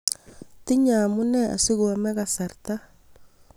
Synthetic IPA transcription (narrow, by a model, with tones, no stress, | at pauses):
ti˦ɲa˨mu˦nɛ˦a̰˨si˦ɣu˨a˨mɛ˦ɣa˨sa˨ɾta˦